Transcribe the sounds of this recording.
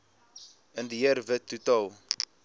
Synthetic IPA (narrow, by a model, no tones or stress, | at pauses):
əndiəərvətːutɑlˠ